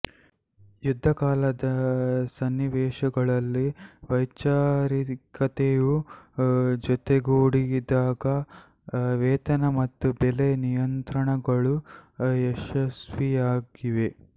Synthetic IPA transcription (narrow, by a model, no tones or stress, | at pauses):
jud̪ʱːɐkaːlɐd̪ɐsɐnːiʋɛːʃɐɡɐɭɐlːiʋɐjt͡ʃaːɾikɐt̪eju | d͡ʒɔt̪eɡoːɽid̪aːɡɐ | ʋɛːt̪ɐnɐmɐt̪ːubɛlenijɐnt̪ɾɐɳɐɡɐɭuɛʂɐsʋijaːɡiʋe̞